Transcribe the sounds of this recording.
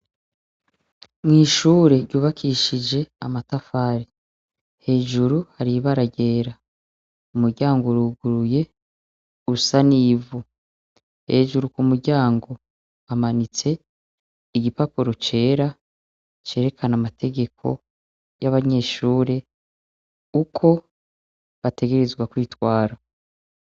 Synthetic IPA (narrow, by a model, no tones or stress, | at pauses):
mŋiːʃuːɾe̞ɾɟuːβakʰiʃid͡ʒe̞amatafaːɾi | he̞ːʒuɾuhaɾiβaɾaɟe̞ːɾa | umuɾɟaːŋɡoɾuːɡuɾuje̞ | usaniːvu | he̞ːʒuɾukumuɾɟaːŋɡo̞ | amanit͡se̞ | iɟipapuɾo̞t͡ʃe̞ːɾa | t͡ʃe̞ːɾe̞kʰanamatʰe̞ɡe̞kʰo̞̰ | jaβaɲe̞ːʃuːɾe | ukʰo̞ | βatʰe̞ɡe̞ɾe̞zɡwakwiːtwaːɾa